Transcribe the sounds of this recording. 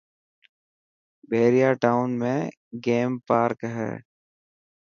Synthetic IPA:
beːɾijaːʈaːʊnmẽ | ɡeːmpaːɾkɦɛ̰ː

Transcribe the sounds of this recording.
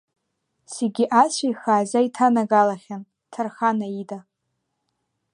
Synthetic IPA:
seɡʲiʔat͡ɕʷʰajχaːzaitʰanaɡalaχʲan | tʰarχanaida

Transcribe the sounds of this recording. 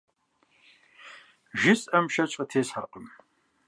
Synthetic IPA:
ʒɪsʼʔɐmʃɐt͡ʃʼətʰeːsħaqʼəm

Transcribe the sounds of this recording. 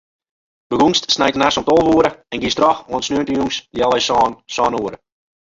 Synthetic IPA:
b̥əɡuŋstsnɛjtənasɔmtɔlˠʋuəɾəɛnɡistrɔxoənsnøəntəjuŋsdjɛlˠɛjsɔːnsɔːnuəɾə

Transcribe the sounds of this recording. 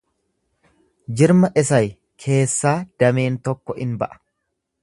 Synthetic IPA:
d͡ʒɪɾmɐʔɪsɐj | kʰe̞ːsːaːd̪̥ɐme̞ːnt̪ɔkːɔʔɪnbɐʔɐ̥

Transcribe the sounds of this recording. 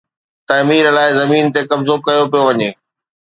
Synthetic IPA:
t̪aːmiːɾəlaːɪzɐmiːnt̪ekɐmzoːkɐjopijoʋɐɲeː

